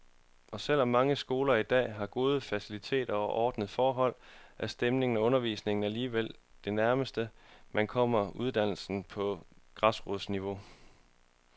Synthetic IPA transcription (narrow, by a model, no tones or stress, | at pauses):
ɒ̽sel̰ɒmːɑ̈ŋəsɡ̥o̝ːlɐid̥ɛ̰ːɦɑ̈ɡ̥o̝ːð̞ˠəfæsilit͡sʰe̝̰ːd̥ɐʔɒːd̥nəð̞̩ˠfɒːɦɒ̽l̰ʔæsd̥emne̝ŋn̩æɔ̽nɐʋḭːsne̝ŋn̩æliːʋel̰d̥e̝næɐməsd̥əmʔænkʰɒ̽m̰ɐuð̞ˠd̥æn̰l̩sn̩pʰɒ̽ɡ̥ʁɑ̈sʁoðˠsniʋo̝